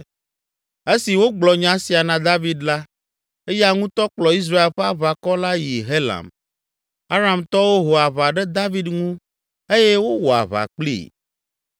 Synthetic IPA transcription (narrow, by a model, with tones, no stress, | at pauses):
e˦si˨wo˦ɡ͡blɔ˨ɲã˦si˨a˨nã˨d̪a˦vi˦d̪la˦ | e˦ja˦ŋũ˦t̪ɔ˦k͡plɔ˨i˦s̬ɾa˦e˨lɸɛ˦a˦βa˨kɔ˦la˦ji˨ɦe˦lã̰˨m | a˦ɾa˨mt̪ɔ˦wo˦ɦo˨a˨βa˨ɖɛ˦d̪a˦vi˦d̪ŋũ˦ | e˦je˦wo˦wɔ˨a̰˨βa̰˨k͡plḭ˦˨